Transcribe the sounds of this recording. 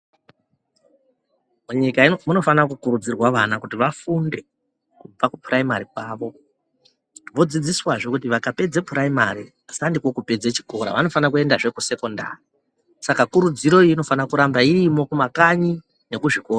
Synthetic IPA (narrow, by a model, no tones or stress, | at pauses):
muɲikamuno̞fanakukuɾud͡zirwaʋanakutiʋafunde̞ | kub͡vakupuraimaɾikwaːʋo̞ | ʋo̞d͡zid͡ziswaʐokut̬iʋakape̞d͡ze̞puraimaɾi | asandikwo̞kupe̞d͡zet͡ʃi̥ko̞ɾa̰ʋano̞fanak̬ue̞ndaʐe̞kuse̞ko̞nda̰ri | sakakuɾud͡ziɾo̞iino̞fanakuɾambairimo̞kumakaɲi | ne̞kuʐiko̞ːra